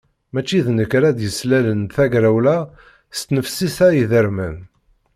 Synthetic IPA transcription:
mæt͡ʃːiðnəkɾæd̪jəslælənθæɡɾæwlæ | st̪nəfsisæjiðəɾmæn

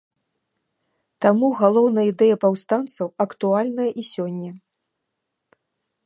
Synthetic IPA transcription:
t̪amuɣalˠɔwnɐjid̪ɛjɐpawst̪ant̪sɐwɐkt̪ualʲnɐjɐʔisʲɔnʲːɐ

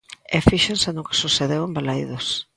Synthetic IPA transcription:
ɛfiʃensend̪ʊke̥suθeðewembalaiðos

